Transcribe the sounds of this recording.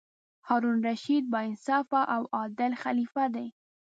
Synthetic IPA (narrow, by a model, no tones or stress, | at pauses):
hɑɾunɾaʃid̪̚bɑɪnsɑfaʔawɑd̪ɪlxalifad̪aj